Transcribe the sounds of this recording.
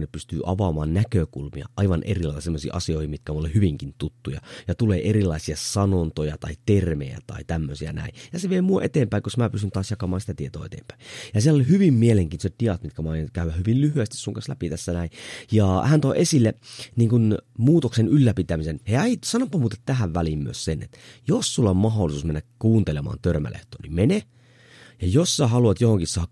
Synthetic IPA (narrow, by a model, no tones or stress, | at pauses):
neppyst̪yːʔɑʋɑmɑːnnækøkṵlmḭɑ̰ʔɑiʋɑnʔḛrilɑilt̪ːɑsemːosḭːʔɑsioihimit̪kæmulehyʋiŋkint̪ut̪ːujɑ̰jɑt̪uleːʔerilɑisiɑsɑnont̪ojɑt̪ɑit̪ermejæ̰t̪ɑ̰it̪æmːøsiæ̰næ̰ˑijɑseʋiemuoʔet̪eːmpæijosmæːpysynt̪ɑːsjɑkɑmɑːnsi̥t̪æt̪iet̪o̰ːet̪ḛːmpæ̥ijɑsielolihyʋimːmieleŋkiːnt̪oset̪t̪iɑt̪mit̪kæmæɑjɑnkæyʋæhyʋillyhyæst̪issuŋkɑ̃nslæ̰pit̪æsːænæijɑhænt̪oiʔesilːeniːŋkunmuːt̪oksenylːæpit̪æmisenheæisɑnopːɑmuːt̪et̪t̪æhæʋʋælimmy̰øssenḛt̪josːulːɑmmɑɦolːˑisuːsmenːækkuːnt̪elemɑ̰ːnt̪ørmæ̰lḛht̪o̰ːnimene | jɑjosːɑhɑluɑt̪johoŋkissɑːk